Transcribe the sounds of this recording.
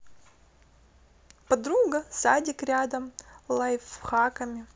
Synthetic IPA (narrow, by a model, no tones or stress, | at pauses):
pɐd̪ɾuɡɐsadʲɪkɾʲad̪ɐmlˠɐjfxakəmʲɪ